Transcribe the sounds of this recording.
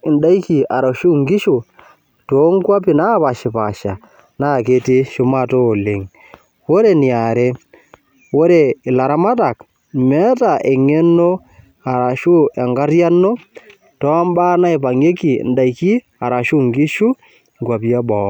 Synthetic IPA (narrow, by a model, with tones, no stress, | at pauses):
ɪ˨nda˦i˦ki˨a˨ɾa˨ʃu˦ŋɡi˦ʃu˨ | to˦ŋ˦kwa˦pi˨na˦pa˨ʃɪ˨pa˨ʃa˨ | na˦˨ke˨ti˦ʃʊ˦ma˦toː˦˨le˨ŋ | wo˦ɾe˨ni˨a˨ɾe˦ | wo˦ɾe˨ɪ˨la˨ɾa˦ma˦ta˨k | mɛ˦ta˨ʔe˨ŋe˦no˦ | a˨ɾa˨ʃu˦ɛ˨ŋɡa˦rja˦nːo˦ | tɔ˦a˦mba˦na˦i˨pa˨ŋe˦kḭ˨nda˨i˨ki˦ | a˨ɾa˨ʃu˦ŋɡi˦ʃu˦ | ŋ˨kwa˨pi˦a˦bɔ˨˦